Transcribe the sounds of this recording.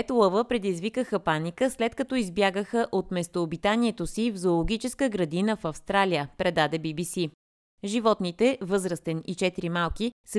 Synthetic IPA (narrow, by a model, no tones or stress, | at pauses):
ɛt̪olˠəvəpɾɛd̪izvikəxəpanikəslɛt̪kɐt̪ɔizbjaɡəxəʔot̪mɛst̪oːbit̪aniɛt̪osivzoːlˠoɡ̟ʲit͡ʃɛskəɡɾɐd̪inəfɐfst̪ɾalʲijəpɾɛd̪ad̪ɛbibisi | ʒivɔt̪nit̪ɛvɤzɾəst̪ɛnit͡ʃɛt̪iɾimalˠkisə